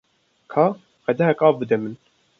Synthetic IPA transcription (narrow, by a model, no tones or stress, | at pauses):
kʰɑː | qɛd̪ɛɦɛkɑːvbɨd̪ɛmɨn